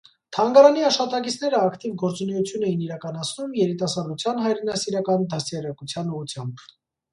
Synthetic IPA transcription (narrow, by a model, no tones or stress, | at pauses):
t̪ʰɑŋɡɑɾɑniɑʃχɑt̪ɑkit͡sʰnɛɾəɑkt̪ivɡɔɾt͡sunɛjut͡sʰjunɛjiniɾɑkɑnɑt͡sʰnumjɛɾit̪ɑsɑɾd̪ut͡sʰjɑnɦɑjɾɛnɑsiɾɑkɑnd̪ɑsɛrɑkut͡sʰjɑnuʁut͡sʰjɑmb